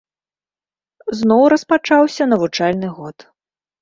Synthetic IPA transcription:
znɔwɾɐspat͡ʂawsʲɐnɐvut͡ʂalʲnɨɣɔt̪

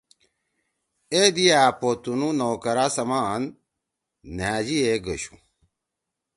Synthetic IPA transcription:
ed̪iaːpot̪unũnoːkɐɾasɐmaːnː | aːd͡ʑieɡəɕũ̥̰

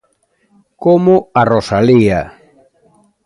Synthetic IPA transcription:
komʊarosalia

